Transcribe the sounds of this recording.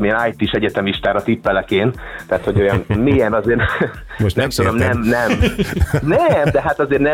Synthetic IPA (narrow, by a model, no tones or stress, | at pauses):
miɛnaːjt̪iːʃɛɟɛt̪ɛmiʃt̪aːɾɒt̪ipːɛlɛkeːn | t̪ɛat̪ho̞ɟo̞jɒnmijɛnɒzeːr | oʃnɛmt̪ud̪o̞mnɛmnɛm | nɛmd̪ɛɦat̪ɒzeːrnɛ